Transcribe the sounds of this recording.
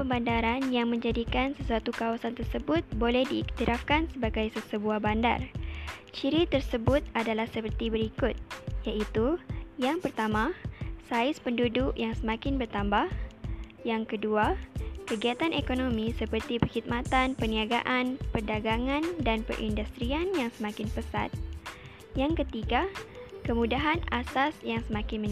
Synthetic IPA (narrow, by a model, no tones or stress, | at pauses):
pəmbandaɾanjaŋmə̃ɲd͡ʒadikansəsuat̪ukawasant̪ərsəbʊt̪̚bolɛhdiːk̚t̪iɾʔafkansəbaɡajsəsəbuahbanda̰rt͡ʃiɾit̪ərsəbʊt̪̚adalahsəpərt̪ibəɾikʊt̪̚jaʔit̪ujaŋpərt̪amãsaɪspəndudʊkjaŋsəmãkɪnbərt̪ambahjaŋkəduakəɡiat̪anʔekonomĩsəpərt̪ipərhid̪̚mat̪anpəniaɡaʔanpərdaɡaŋãndanpə̰rʔḭndust̪ɾianjaŋsəmãkɪnpəsa̰t̪̚ | jaŋkət̪iɡakəmũdaɦanasasjaŋsəmãkɪnmə̃n